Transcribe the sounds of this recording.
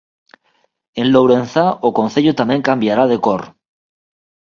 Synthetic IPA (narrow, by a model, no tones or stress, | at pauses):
e̞nlowɾe̞n̟θaʔokonθeʎot̪amje̞ŋkambjaɾað̞e̞koɾ